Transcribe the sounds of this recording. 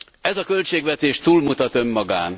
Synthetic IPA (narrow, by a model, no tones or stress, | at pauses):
ɛzɒkølt͡ʃeːɡʋɛt̪eːʃt̪uːlmut̪ɒt̪ø̞mːɒɡaːn